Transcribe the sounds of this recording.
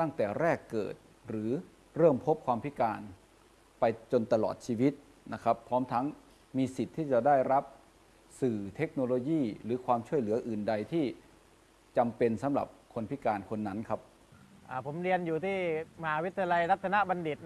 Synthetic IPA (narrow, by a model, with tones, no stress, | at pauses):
t̪a˥˩ŋt̪ɛː˨˩ɾɛː˥˩kːɤ̰ː˨˩t̪̚ | ɾɯː˩˦ | ɾɤː˥˩mpʰo˦˥p̚kʰwaː˧mpʰi˦˥kaː˧n | pa˧jt͡ɕo˧nt̪a˧lɔ̰ː˨˩t̪̚t͡ɕʰiː˧wi˦˥t̪̚ | na˦˥kʰa˦˥pʰːɔː˦˥mt̪ʰa˦˥ŋ | miː˧si˨˩t̪ʰːiː˥˩t͡ɕa˨˩daː˥˩jɾa˦˥p̚ | sɯː˨˩t̪ʰe˦˥k̚noː˧loː˧jiː˥˩ɾɯː˩˦kʰwaː˧mt͡ɕʰu˥˩əjlɯː˩˦ɐʔɯː˨˩nda˧jt̪ʰiː˥˩ | t͡ɕa˧mpe˧nsa˩˦mɾa̰˨˩p̚kʰo˧npʰi˦˥kaː˧nkʰo˧nːa˦˥nkʰa˦˥p̚ | ʔaː˧˩pʰo˩˦mɾi˧ənjuː˨˩t̪ʰiː˥˩ma˧ɦaː˨˦wi˦˥t̪ːʰi˧a˧la˧jɾa˦˥t̪̚sʰa˧na˦˥ʔba˧ndi˨˩t̪̚